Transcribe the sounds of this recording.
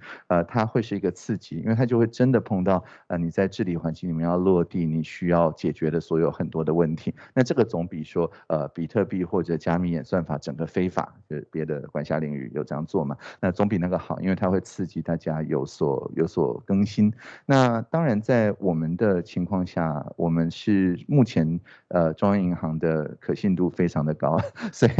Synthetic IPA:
ə˧t̪ʰa˥xwe˥˧ɪʂɻ̩˥˩i˧˥ɡə˧t͡sʰɹ̩˥˩t͡ɕi˧˥ḭ˥nwe˥˩a˥jo˥˧ʊxwe˥˩ɪʈ͡ʂə˥nd̪ə˨pʰɤ˥˧ŋt̪ɑ˥˩ʊ | ə˧˩ni˨˩t͡sa˥˧ɪʈ͡ʂɻ̩˥˩li˨˩xwa˧˥nt͡ɕi˥˩ŋli˨˩mɛ˥˧jɑ˥˧ʊlwɔ˥˧t̪i˥˩ni˨˩ɕy˥jɑ˥˩ʊt͡ɕjɛ˨˩t͡ɕɥɛ˧˥d̪ə˧swɔ˧˥jo˧˥ʊxə˨˩nt̪wɔ˥d̪ə˨wə˥˩nt̪ʰi˧˥na˥˧ʈ͡ʂɤ˥˩ɡə˩t͡sʊ˧˥ŋpi˨˩ʂwɔ˥ə˧pi˨˩t̪ʰɤ˥˧pi˥˧xwɔ˥˩ʈ͡ʂɤ˨˩t͡ɕja˥mi˧˥jɛ˨˩nswa˥˩nfa˧˥ʈ͡ʂə˨˩ŋɡə˦fe˥ɪfa̰˨˩˦pjɛ˧˥d̪ə˧kwa˨˥nɕja˥li˧˥ŋy̰˥˩jo̰˨˩ʊʈ͡ʂɤ˥jɑ˥˧ŋt͡swɔ˥˩mɐ˩na˥˩t͡sʊ˧˥ŋpi˨˩na˥˩ɡə˩xɑ˨˩ʊi˥nwe˥˩ɪt̪ʰa˥we˥˧ɪt͡sʰɹ̩˥˩t͡ɕi˧˥t̪a˥˩t͡ɕja˥jo˧˥ʊswɔ̰˨˩jo̰˧˥ʊswɔ̰˨˩kə˥ŋɕi˥nna˥˩t̪ɑ˥ŋɻa˧˥nt͡sa˥˩ɪwɔ˨˩mə˦nd̪ə˨t͡ɕʰi˧˥ŋkʰwɑ˥˧ŋɕja˥˩wʔɔ˨˩mə˦nʂɻ̩˥˩mu˥˩t͡ɕʰjɛ˧˥n | ə˧ʈ͡ʂʊ˥ŋjɑ˥ŋi˧˥ŋxɑ˧˥ŋd̪ə˧kʰɤ˨˩ɕi˥˧nt̪u˥˩fe˥ɪʈ͡ʂʰɑ˧˥ŋd̪ə˨kɑ˥ʊswɔ˧˥i˨˩

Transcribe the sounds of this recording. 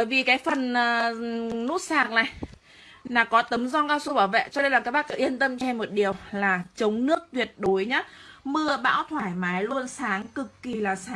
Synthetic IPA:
əː˧˩jvi˨˩kaː˨˦jfə˨˩nː˨˩nu˦˥t̚saː˨˩k̚na̰ː˨˩j | laː˨˩kɔ˨˦t̪ə˨˦mzɔ˧nkaː˧wsu˧ɓaː˧˩wvɛ̰˧˨t͡ɕɔ˧ɗə˧jlaː˨˩kaː˦˥k̚ɓaː˦˥k̚ə˨˧˦ʔi˧ənt̪ə˧mt͡ɕɛ˧mːo˨˩t̚ɗi˨˩əwlaː˨˩t͡ɕə˨˦wŋ͡mnɨ˦˥ək̚t̪wi˨˩ət̚ɗo˨˦jɲaː˨˦˥mɨ˧əɓa̰ː˧˥wt̪ʰwaː˧˩jmaː˨˦jlu˧ənsaː˨˦ŋkɨ˨˩kːi˨˩laː˨˩saː˨

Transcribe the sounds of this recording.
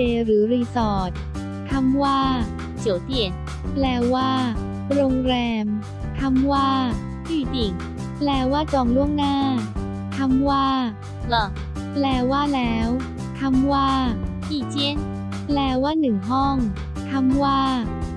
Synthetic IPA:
eː˧ɾɯː˩˦ɾiː˧sɔː˨˩t̪̚ | t̪ʰa˧˥mwaː˥˩ | t͡ɕʰi˨˩˦wt̪i˧˩ən | plɛː˧waː˥˩ | ɾoː˧ŋɾɛː˧m | t̪ʰa˧mwaː˥˩ | iː˧˩t͡ɕi˨˧˩ŋ | plɛː˧waː˥˩t͡ɕɔː˧˩ŋlu˥˩əŋnaː˥˩ | t̪ʰa˧˥mwaː˥˩ | lɔ˨˩ | plɛː˧waː˥˩lɛː˦˥w | t̪ʰa˧mwaː˥˩ | kiː˧˩t͡ɕi˧˥n | plɛː˧waː˥˩nɯ˨˩ŋɦɔ˥˩ŋ | t̪ʰa˧˥mwaː˥˩

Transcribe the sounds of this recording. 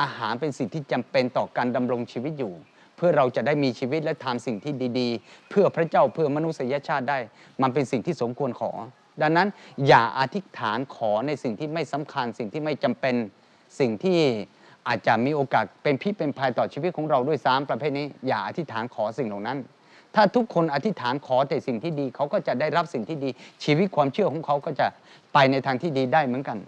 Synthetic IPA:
ʔaː˧haː˩˦npe˧nsi˨˩ŋt̪ʰiː˥˩t͡ɕa˧mpe˧nt̪ɔː˨˩kaː˧nda˧mɾo˧ŋt͡ɕʰiː˧wi˦˥t̪̚juː˨˩ | pʰɯ˥˩ɐɾa˧wt͡ɕa˨˩daː˥˩jmiː˧t͡ɕʰiː˧wi˦˥t̪̚lɛ˦˥t̪ʰa˧msi˨˩ŋt̪ʰiː˥˩diː˧diː˧pʰɯ˥˩ɐpʰɾa˦˥t͡ɕaː˥˩wpʰɯ˥˩ɐma˧nu˦˥sa˧ja˧˥t͡ɕʰaː˥˩t̪̚daː˥˩j | ma˧npe˧nsi˨˩ŋt̪ʰiː˥˩so˩˦mkʰu˧ənkʰɔ̰ː˩˦ | da˧ŋːa˦˥njaː˨˩ʔa˧t̪ʰi˦˥t̪ʰaː˩˦nkʰɔː˩˦na˧jsi˨˩ŋt̪ʰiː˥˩ma˥˩jsa˨˦mkʰa˧nsi˨˩ŋt̪ʰiː˥˩ma˥˩jt͡ɕa˧mpe˧n | si˨˩ŋt̪ʰiː˥˩ | ʔaː˨˩t̪̚t͡ɕa˨˩ʔmiː˧ʔoː˧kaː˨˩t̪̚pe˧npʰi˥˩pe˧npʰaː˧jt̪ɔː˨˩t͡ɕʰiː˧wi˦˥t̪̚kʰɔː˩˦ŋɾa˧wdu˥˩əjsaː˨˦˥mpɾa˧pʰeː˥˩t̪̚niː˦˥˩jaː˨˩ʔa˧t̪ʰi˦˥t̪ʰːaː˩˦nkʰɔː˩˦si˨˩ŋlɔː˨˩ŋna˦˥n | t̪ʰaː˥˩t̪ʰu˦˥kʰːo˧nʔa˧t̪ʰi˦˥t̪ʰaː˩˦nkʰɔː˩˦t̪ɛː˨˩si˨˩ŋt̪ʰiː˥˩diː˧kʰa˦˥wkɔː˥˩t͡ɕa˨˩da˥˩jɾa˦˥p̚si˨˩ŋt̪ʰiː˥˩diː˧t͡ɕʰiː˧wt̪̚kʰwaː˧mt͡ɕʰɯ˥˩əkʰɔː˩˦ŋkʰa˦˥wkɔː˥˩t͡ɕa˨˩ | pa˧jna˧jt̪ʰaː˧ŋt̪ʰiː˥˩diː˧daː˥˩jmɯ˩˦ənka˧n

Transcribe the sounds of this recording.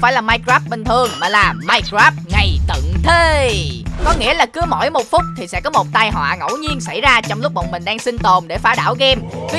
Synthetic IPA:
faː˧˩jlaː˨˩maː˧jkaː˦˥p̚ɓi˨˩n̟t̪ʰɨ˨˩əŋmaː˨˩laː˨˩maː˧jkaː˦˥p̚ŋa˨˩jt̪ɨ̰˧˨ŋt̪ʰe˨˧ | kɔ˨˦ŋḭ˧˥əlaː˨˩kɨ˨˦əmɔ̰˧˩jmo˨˩t̚fʊ˦˥k͡p̚t̪ʰi˨˩sɛ̰˧˥kɔ˨˦mo˨˩t̚t̪aː˧jɦwa̰ː˧˨ŋə̰˧˥˩wɲi˧ənsa˧˩jzaː˧t͡ɕɔ˧wŋ͡mlʊ˦˥k͡p̚ɓə̰˧˨ŋ͡mmï˨˩ŋ̟ɗaː˧ŋsï˧nt̪o˨˩mɗe˧˩faː˨˦ɗa̰ː˧˩wɣɛ˧mki˨˦

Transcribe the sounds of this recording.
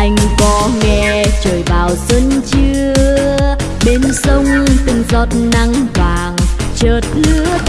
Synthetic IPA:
ʔa˧jŋ̟kɔ˧˦ŋɛ˧t͡ɕəː˨˩jɓaː˨˩wzwə˧nt͡ɕɨ˧ə | ɓe˧nsə˧wŋ͡mt̪ɨ˧˩ŋzɔ˧˩t̚na˧ŋt̪waː˨˩ŋt͡ɕəː˨˩t̚lɨ˨˧˦ə

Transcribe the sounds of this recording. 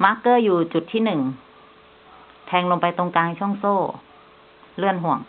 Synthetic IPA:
ma˦˥kːɤː˥˩juː˨˩t͡ɕu˨˩t̪ʰːiː˥˩nɯ˨˩ŋ | t̪ʰɛː˧ŋlo˧mpa˧jt̪o˧ŋkaː˧ŋt͡ɕʰɔ˥˩˨ŋsoː˥˩ | lɯ˥˩ənɦu˨˩əŋ

